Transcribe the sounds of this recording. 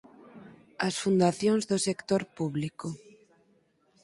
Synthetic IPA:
ɐsfund̪aθjoŋzðʊsekt̪oɾpuβlikʊ

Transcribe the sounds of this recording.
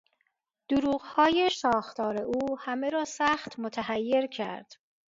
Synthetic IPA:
d̪̥uɾuːɢhɒːjeʃɒːxt̪ʰɒːɾe̞ʔuːhæmeɾɒːsæːxt̪ʰmot̪ʰæhæjːe̞ɾcʰæ̰ɾd̪̥

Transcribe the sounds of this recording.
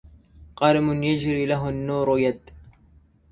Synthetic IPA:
qɑɾɪmʊnjad͡ʒɾiːlaɦʊnːuːɾʊjad̪

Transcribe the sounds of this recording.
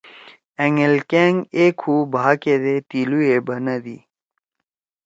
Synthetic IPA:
eŋelkeːŋɡekʰubʱaːked̪et̪iluebɐnɐd̪i

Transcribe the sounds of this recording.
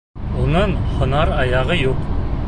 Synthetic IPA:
unɤɴhŏnɑɾɑjɑʁɤjuq

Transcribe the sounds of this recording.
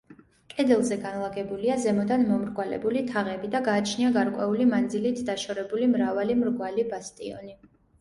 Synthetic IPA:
kʼɛd̪ɛlˠzɛɡanlˠaɡɛbuliazɛmɔd̪anmɔmɾɡwalɛ̰bulit̪ʰaʁɛbid̪aɡaːt͡ʃʰniaɡaɾkʼwɛulimand̪zilit̪ʰd̪aʃɔɾɛbulimɾavalimɾɡwalibast̪ʼḭɔ̰ni

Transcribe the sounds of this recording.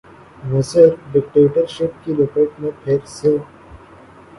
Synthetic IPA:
məsəɾɖɪk̚ʈeːʈəɾʃɪp̚kiloːkeʈmẽpʰeːɾse

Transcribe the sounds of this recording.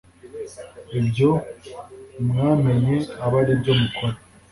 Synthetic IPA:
ibɟo | mŋaːme̞ɲeaβaɾibɟomukoɾe

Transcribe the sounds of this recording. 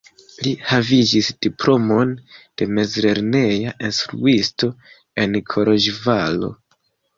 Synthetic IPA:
lihavid͡ʒisd̥iplo̞mo̞nd̥e̞me̞zɾe̞ɾne̞jaʔinstɾṵisto̞ | e̞nkʰo̞ɾoʒvalo̞̰

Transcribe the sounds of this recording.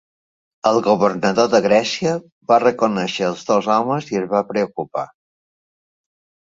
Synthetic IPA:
əlˠɣuβərnəðoðəɣɾɛsiə | βarəkunɛʃəːlˠzðozawməziəzβapɾəukupa̰

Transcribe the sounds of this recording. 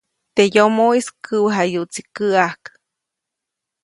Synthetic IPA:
t̪ejomoiskʰɨwəɦajuʔt͡sikɨahk

